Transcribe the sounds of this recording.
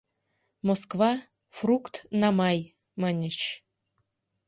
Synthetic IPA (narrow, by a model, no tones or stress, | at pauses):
moskvɑ | frukt̪nɑmɑj | mɑnʲət͡ɕ